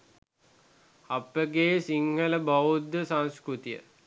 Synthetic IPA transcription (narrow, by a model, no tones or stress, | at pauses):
ɐpəɡeːsiŋɡələbaud̪əsãnskɾut̪ijə̰